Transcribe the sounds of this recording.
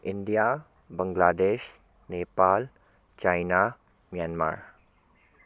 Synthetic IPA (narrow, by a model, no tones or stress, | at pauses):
indija | bəŋɡlaːd̪eːʃ | nepal | t͡ʃajna | mjanma̰ɾ